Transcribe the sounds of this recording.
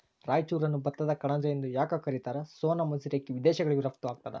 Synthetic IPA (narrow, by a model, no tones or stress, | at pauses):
ɾaːjt͡ʃuːɾɐnːubɐt̪ːɐd̪ɐkɐɳɐd͡ʒɐjend̪ujaːkɐkɐɾit̪aːɾɐsoːnɐmɐsiɾjekːiʋid̪ɛːʃɐɡɐɭiɡuɾɐpt̪uʋaːɡ̚t̪ad̪ḛ